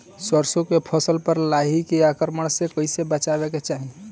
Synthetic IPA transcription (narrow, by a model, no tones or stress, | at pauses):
səɾsokepʰəsəlpəɾlaɦikeakəɾməɽ̃sekəɪsebət͡ʃabeket͡ʃaɦi